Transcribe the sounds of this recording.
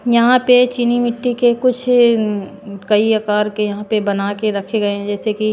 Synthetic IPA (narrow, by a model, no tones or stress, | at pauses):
jɐɦãpet͡ʃinimɪʈːikekʊt͡ʃʰ | kɐiɐkaːɾkejɐɦãpebɐnakeɾɐkʰeɡɐeɦɛ̃d͡ʒɛːseki